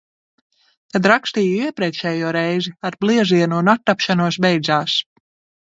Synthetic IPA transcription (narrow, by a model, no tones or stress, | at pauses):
t̪ad̪ɾakst̪iːɡiɛpɾɛːkʃɛjuɔɾɛjziaɾblˠiɛziɛnunat̪ːapʃanuɔsbɛjd̪zaːs